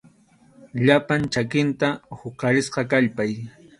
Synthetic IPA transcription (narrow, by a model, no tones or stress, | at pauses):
ʎapant͡ʃakɪnt̪ahʊkɑɾɪsqɑkaʎpaj